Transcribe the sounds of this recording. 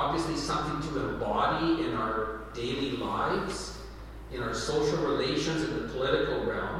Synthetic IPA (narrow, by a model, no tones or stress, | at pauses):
ɑbviɨslisʌ̃mθɪ̃ŋtʰəə̃bɑɾiɪ̃naʊə˞d̥eɪlˠilaɪvz̥ | ɨ̃ñaʊə˞soʊʃl̩ˠɹileɪʃɨ̃nzɨ̃nðɨpʰəlɪɾɨkl̩ˠɹɛlˠm